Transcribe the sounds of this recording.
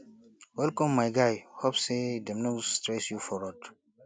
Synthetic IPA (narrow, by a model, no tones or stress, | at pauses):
wɛlkɔ̃mːajɡajhopsedɛmnɔstɾɛsjufɔɾɔt